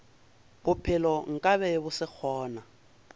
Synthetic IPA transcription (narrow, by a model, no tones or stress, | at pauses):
bʊpʰɪlɔŋ̩kʼaβɛbʊsɪk͡xʰɔːna